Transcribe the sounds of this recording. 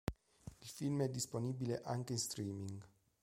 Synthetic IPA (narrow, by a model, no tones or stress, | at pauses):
ilfilmɛd̪ːisponibileʔaŋkeinst̪ɾiːmiŋɡ